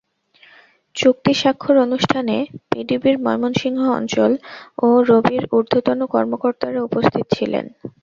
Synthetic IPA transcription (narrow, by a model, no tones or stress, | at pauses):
t͡ɕok̚t̪iʃakʰːoɾonuʃʈʰanepiɖibiɾmɔ̰jmonʃiŋɦoɔ̰nt͡ɕoloɾobiɾuɾd̪ʱot̪onokɔɾmokoɾt̪aɾeupost̪ʰit̪o̥t͡ɕʰilḛn